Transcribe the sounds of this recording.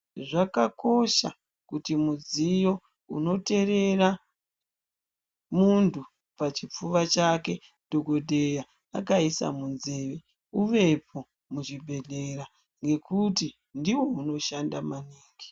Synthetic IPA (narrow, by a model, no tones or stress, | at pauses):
ʐakako̞ʃa̰ | kutimud͡zijo̞ | ṵno̞te̞ɾe̞ra | muntʰu | pat͡ʃip͡fuʋat͡ʃake̞ | d̥ʱo̞ɡo̞dʱeja | akaisa̰munze̞ːʋe | uʋe̞pʰo̞ | mut͡ʃibʱe̞ɮeɾa | ŋɡe̞kuti | ndiwo̞uno̞ʃandamaniːŋɡi